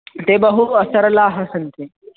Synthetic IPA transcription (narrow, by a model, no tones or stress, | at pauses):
t̪eːbɐɦuɐsɐɾlaːɦɐsɐnt̪ʰe